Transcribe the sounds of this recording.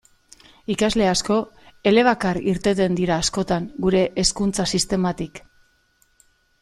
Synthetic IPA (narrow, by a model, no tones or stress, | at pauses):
ikazle̞asko̞ | e̞le̞β̞akaɾiɾt̪e̞t̪e̞nd̪iɾaːsko̞t̪aŋɡuɾe̞ʔːskunt͡sasist̪e̞mat̪ik